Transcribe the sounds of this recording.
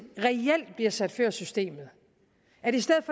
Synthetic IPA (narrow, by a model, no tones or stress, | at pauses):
ʁɛel̰d̥̚b̥liɐsæd̥føɐ̰sysd̥e̝̰ːmð̞̩ˠ | æɐɾ̥e̝isd̥eð̩ˠfɒ